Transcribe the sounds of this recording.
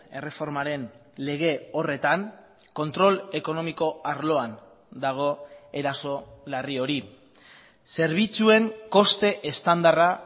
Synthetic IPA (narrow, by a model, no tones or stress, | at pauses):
e̞re̞fo̞ɾmaɾe̞n | le̞ɣ̞e̞o̞re̞t̪aŋ | ko̞nt̪ɾo̞le̞ko̞no̞miko̞aɾlo̞an | d̪aɣ̞o̞e̞ɾaso̞lario̞ɾi | se̞ɾβ̞it͡sue̞ŋko̞st̪e̞ʔest̪and̪ara